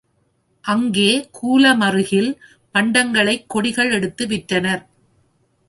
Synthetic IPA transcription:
ʔɐŋɡeːkʰuːlɐmɐrɯɣɪl | pɐɳɖɐŋɡɐɭɐɪkːɔɽɪɣɐɭɛɽɯt̪ːɯʋɪʈːɐnɐɾ

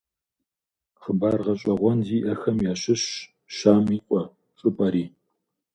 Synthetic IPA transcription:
χəbaːrʁɐɕʼɐʁʷɔnziːʔɐxɐmjaːɕɪɕ | ʃaːmiːqʷʼɔ | ʈ͡ʂʼʊpʼɐɾiː

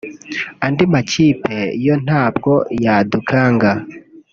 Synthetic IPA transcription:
andimaciːpʰejon̥haːbɡojadukʰaːŋɡa

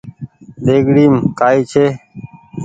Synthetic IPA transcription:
ɗ̪eːɡɽiːmkaːiːt͡ʃʰeː

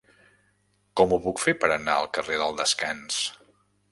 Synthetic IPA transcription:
kɔmupukfepəɾənaəlˠkəreðəlˠd̪əskans

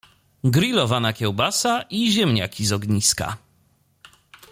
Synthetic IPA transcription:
ɡɾilɔvanakʲɛwbasaʔiʑɛmɲa̰kʲizɔɡɲiska̰

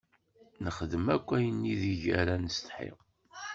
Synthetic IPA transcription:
nəχəðəmækʷːæjənːiðiʝæɾænəst̪ħḭʁ

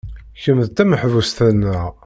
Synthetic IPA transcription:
çəmðt̪æməħvust̪ænːəʁ

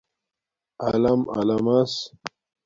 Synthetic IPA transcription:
ɐlɐmɐ̰lɐmɐs

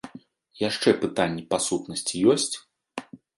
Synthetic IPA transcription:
jaʂt͡ʂɛpɨt̪anʲːɛpasut̪nɐsʲt͡sʲijɔsʲt͡sʲ

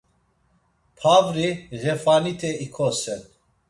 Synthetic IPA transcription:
pʰavɾiɣɛfanit̪ʰɛikʰɔsɛn

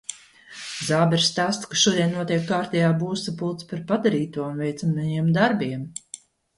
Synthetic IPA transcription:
zaːbɛɾst̪aːst̪kaʃuɔd̪iɛnːuɔt̪ʲiɛkːaːɾt̪ʲɛjaːbuːsapulˠt̪spaɾpad̪aɾiːt̪uɔnvɛjt̪samajiɛmd̪aɾbiɛm

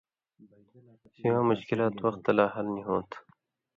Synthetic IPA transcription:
siwãːmʊɕkɪlaːt̪wɐxt̪ːɐlaːɦɐlniɦõːt̪ʰ

